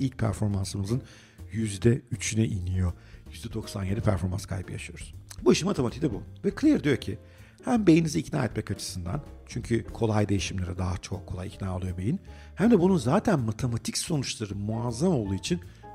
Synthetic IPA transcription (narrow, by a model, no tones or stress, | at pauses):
ilʲc̚pʰæ̰ɾfo̞ɾmansɯmɯzɯn | jyzd̪ɛyt͡ʃʰynɛʔinijo | jyzd̪ɛd̪o̞ksanje̞d̪ipʰæɾfo̞ɾma̰nskʰa̰jbɯja̰ʃɯjo̞ɾuz̥buiʃɯnmat̪ʰemat̪ʰicd̪ɛbuvɛkʰlʲiɾd̪ijoɾcʰi | hæmbe̞jiniziːcna̰ːɛt̪mɛcat͡ʃʰɯ̥sɯnd̪a̰nt͡ʃʰyɲcʰykʰo̞lˠajd̪e̞jiʃimlʲeɾɛd̪aɦat͡ʃʰokʰːo̞lˠajicnaːolˠɯjo̞be̞jin | hæmd̪ɛbununzaːt̪ʰænmat̪ʰe̞mat̪ʰicso̞nut͡ʃlˠaɾɯmuazːamo̞lˠd̪uːit͡ʃʰin